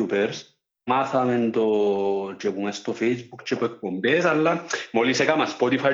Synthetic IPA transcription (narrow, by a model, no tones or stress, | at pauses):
upeɾs | maθament̪ot͡ʃekuŋest̪ofɛjsbukt͡ʃepek̚ːombes̬alːamolisekamaspɔt̪ifa